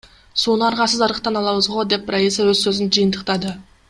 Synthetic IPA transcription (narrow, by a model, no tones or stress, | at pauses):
so̞nəɑɾʁɑsəzɑɾəqt̪ɑnɑlˠɑwəzʁod̪e̞p̚rʔaisawɵzsɵzɪnʒijənt̪əqt̪ɑd̪ə